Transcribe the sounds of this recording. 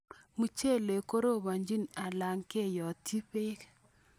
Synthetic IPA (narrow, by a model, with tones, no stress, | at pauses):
mu˨˦t͡ʃe˦˨le˨ko˦ɾo˦˨βa˨ɲd͡ʒi˦na˨la˨ŋke˦˨jɔ˨tʰi˦pe˦k